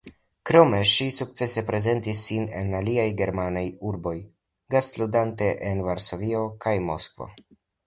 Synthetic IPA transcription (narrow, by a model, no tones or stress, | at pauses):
kɾo̞me̞ʃisuk̚t͡se̞se̞pɾe̞ze̞ntisːine̞̰naliajɡe̞ɾmanajuɾbo̞j | ɡastludante̞ʔenvaɾso̞vio̞kajmo̞̰skvo̞̰